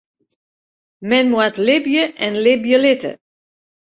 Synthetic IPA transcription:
mɛnmwatlɪbjəʔɛnlɪbjəlɪtə̰

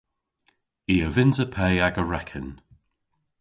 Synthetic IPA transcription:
iːəvɪnzəpʰɛjaɡəɹɛkʰən

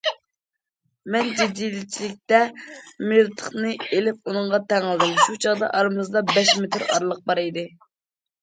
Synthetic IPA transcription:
mɛnd͡ʒed̪ijlɪt͡ʃʰilɪk̚ʲt̪ɛmeɾt̪ʰə̥χnɨelɪp̚unɨŋʁɑt̪ʰɛŋlˠd̪ɪmʃut͡ʃʰɑʁd̪ɑ̰ʔɑɾɨmɨzd̪ɑbɛʃmet̪ʰɪɾɑ̰ɾlˠəq̚bɑɾed̪ɨ

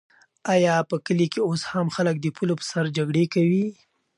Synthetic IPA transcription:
ajɑpəkəlikeoshamxalək̚d̪əpʰulopə̥saɾd͡ʒaɡɽekawi

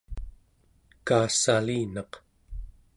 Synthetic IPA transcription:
kaːsaliːnɑq

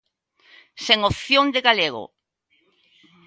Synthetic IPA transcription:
seŋopθjond̪eɣaleɣo̰

